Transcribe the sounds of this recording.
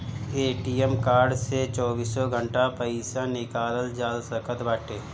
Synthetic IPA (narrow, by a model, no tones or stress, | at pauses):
eːʈiːɛmkaːɾɖset͡ʃɔːbiːsɔɡʱə̃ɳʈapəisanɪkaːləld͡ʒaːlsəkʰət̪baːʈeː